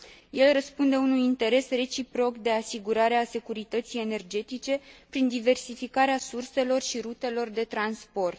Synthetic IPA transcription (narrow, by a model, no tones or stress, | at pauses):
je̞lrəspund̪e̞unujint̪e̞ɾe̞sre̞t͡ʃipɾo̞kd̪e̞asiɡuɾaɾease̞kuɾit̪ət̪sije̞ne̞rd͡ʒe̞t̪it͡ʃe̞pɾind̪ive̞rsifikaɾeasurse̞lo̞rʃiɾut̪e̞lo̞rd̪e̞t̪ɾanspo̞rt̪